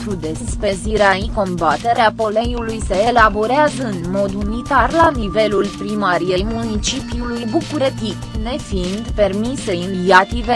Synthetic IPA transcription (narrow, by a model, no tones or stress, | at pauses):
t̪ud̪espe̞ziɾeaiko̞mbat̪e̞ɾeapo̞lejulujse̞ːlabo̞ɾeazəɨnmo̞d̪unit̪arlanive̞lulpɾimaɾijejmunit͡ʃipjulujbukuɾet̪ikne̞find̪pe̞rmise̞injat̪ive